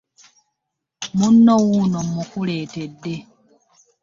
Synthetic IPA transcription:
munːowunomukuleːtedːe

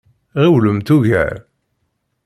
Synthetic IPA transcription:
ʁiwləmt̪uʝæ̰ɾ

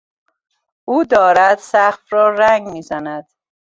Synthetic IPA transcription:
uːd̪ɒːɾæd̪sæxfrɒːɾæŋɡmiːzænæd̪̥

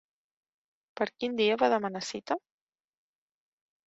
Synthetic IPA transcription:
pəɾkind̪iəβaðəmənasit̪ə

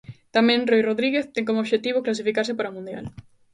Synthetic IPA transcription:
t̪amẽnrojroðɾiɣeθt̪eŋkomoβʃet̪iβ̞oklas̬ifikaɾsepaɾamũnd̪ja̰l

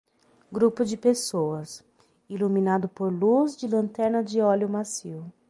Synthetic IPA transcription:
ɡɾupʊd͡ʒɪpesowɐs | ilumĩnad̪ʊpoɾluzd͡ʒɪlɐ̃nt̪ɛɾnɐd͡ʒɪɔljʊmasiw

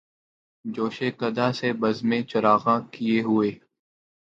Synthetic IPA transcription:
d͡ʒoːʃekɐd̪asebəzmẽt͡ʃɐɾaːɣãkieɦʊeː

